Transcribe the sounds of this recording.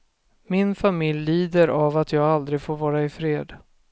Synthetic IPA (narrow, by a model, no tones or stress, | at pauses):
mɪnfamɪljliːd̪əɾʔavat̪ʰjɑːɡald̪ɾɪfoːɾvɑːɾaɪfɾeːd̪